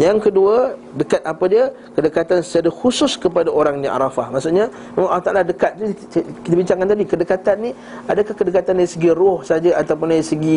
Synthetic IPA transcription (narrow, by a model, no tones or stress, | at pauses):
jaŋkəduə | dəkat̪̚ʔapadiə | kədəkat̪ansəadəhusʊskəpadaoɾaŋniʔa̰ɾafahmaʔsuʔɲa | memãnalaht̪a̰ʔaladəkat̪̚t̪u | kit̪abiɲt͡ʃaŋkant̪adikədəkat̪anːi | adakahkədəkat̪andaɾisəɡiɾʊhsad͡ʒaat̪awp̬ʊndaɾisəɡi